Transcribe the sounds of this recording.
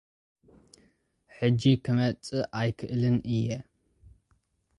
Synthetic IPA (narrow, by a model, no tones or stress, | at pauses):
ħɨd͡ʒikʰɨmɐt͡sʼɨʔajkʰɨʔɨlɨnɨjɛ